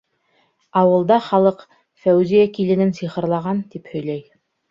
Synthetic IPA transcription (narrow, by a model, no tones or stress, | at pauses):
ɑwɤ̆lˠd̪ɑχɑlˠɤq | fæwzijækilɘ̆nɘnsiχɤ̆ɾlˠɑʁɑnt̪iphɵ̆jlæj